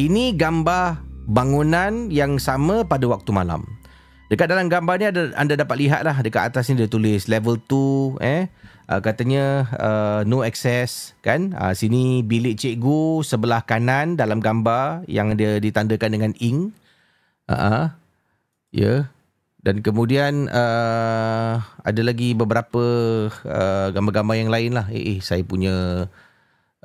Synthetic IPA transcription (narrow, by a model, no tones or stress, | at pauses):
iniɡambarbaŋunanjaŋsamə̃padəwak̚t̪umala̰m | d̥əkat̪̚dalamɡambaniadaa̰ndadapat̪̚liɦa̰t̪̚lahdəkat̪at̪as̬nidiət̪ulɪslɛvəlt̪uɛ | ʔə̰kat̪əɲəənoɛksɛskanə̰sinibilɪʔt͡ʃeʔɡusəbəlahkanandalamɡambarjaŋdiadit̪andəkandəŋãniŋ | ʔa̰ʔə̃ | jə̰ | dankəmũdianə | a̰dalaɡibəbəɾapəəɡambaɡambarjaŋlaɪnlahḛʔesajapuɲə̃